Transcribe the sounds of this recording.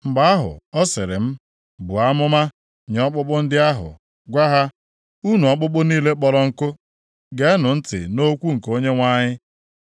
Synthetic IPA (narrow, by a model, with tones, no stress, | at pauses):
m̩˨ɡ͡ba˦a˦ɦʊ̰˨ɔ˦sɪ˨ɾɪ̰˨m̩˦ | bu˨a˦mʊ˦ma˦ | ɲ˨ɔ˦k͡pʊ˦k͡pʊ˦n̩˦dɪ˦a˦ɦʊ̰˨ | ɡʷa˦ɦa˦ | u˦nu˨ɔ˦k͡pʊ˦k͡pʊ˦niː˦le˦k͡pɔ˦lɔ˦ŋ̩˦kʊ˦ | ɡe˦nʊ˨n̩˦tɪ̰˨no˦kʷu˦ŋ̩˨ko˦ɲe˦ŋʷa˦ɲɪ˦